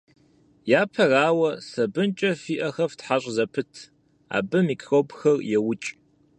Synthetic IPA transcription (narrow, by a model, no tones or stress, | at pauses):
jaːpʰɐraːwɐsɐbɨnt͡ʃʼɐfiːʔɐxɐvtħaɕʷʼzɐpʰɨtʰ | a̰ːbɨmikʰrobxɐrjɛwʊt͡ʃʼ